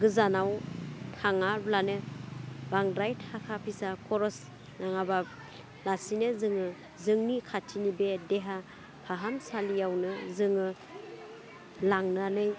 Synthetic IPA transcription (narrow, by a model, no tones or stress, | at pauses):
ɡɯzanawtʰaŋablanɯ | baŋdɾajtʰakʰapʰisakʰɔɾɔs | naŋaba | lasinɯzɯŋɯ | zɯŋnikʰatʰinibedeɦa | pʰaɦansalijawnɯzɯŋɯ | laŋnɯanɯj